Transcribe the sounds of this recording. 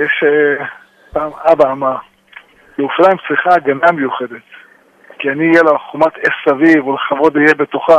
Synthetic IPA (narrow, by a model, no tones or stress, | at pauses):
jeʃe | paːmabaːma | leuflajmt͡sʁiχaɡanamejuχed̪et̪ | kianiːjelaχumat̪essavivulaχavo̞d̪ijebe̞t̪oχa